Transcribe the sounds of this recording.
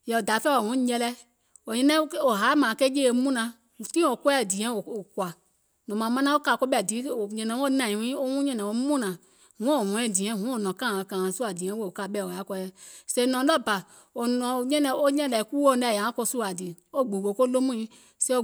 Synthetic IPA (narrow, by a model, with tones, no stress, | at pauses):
jɛ˨o˨da˨˦fɛ˦˨o˨hũ˨˦ɲɛ˧lɛ˧˦ | o˨ɲɛ̃˦nɛ̃˦o˨ɦa˨˦mã˨ke˦je˦e˨˦mũ˦nã˧˦˨ | tĩ˦˨o˨kwɛ˦˨di˨ɛ̃˦o˨o˨kwa˨ | nɔ̃˨mã˨mã˦nã˦o˦ka˧˨ko˦ɓɛ˦˨di˨˦o˨ɲɛ̃˧nɛ̃˨˦o˦nã˨ĩ˨wĩ˦o˦wũ˦ɲɛ̃˦nɛ̃˨o˦mũ˦nã˨ | hũ˨˦˨o˨hũ˨˦ɛ̃˦˨dĩ˨ɛ̃˦˨ɦũ˦o˨nɔ̃˨kã˦˨kã˨su˦a˨dĩ˨ɛ̃˦wo˦˨o˨ka˧˨˦ɓɛ˧˨o˨a˨˦kɔ˧˦jɛ˧se˦nɔ̃˨˦lɔ˦˨ba˨ | o˨nɔ̃˨ɲɛ̃˦nɛ̃˧o˦ɲɛ̃˦˨lɛ˨˦ku˦o˦˨nɛ˨ja˨ã˦ko˧su˦a˨di˨o˦˨ɡ͡bu˨wo˨˦ko˦lo˦mũ˦ĩ˦ | se˦o˦˨